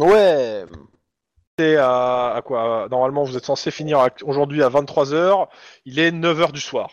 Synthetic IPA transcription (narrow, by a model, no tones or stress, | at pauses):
wɛ | sɛaːkwanɔʁmalmɑ̃vuzɛt̪sɑ̃sefiniʁaɛkoʒuʁd̪ɥiavɛ̃t̪t̪ːχwazœːʁilɛnœvœʁd̪yswaːʁ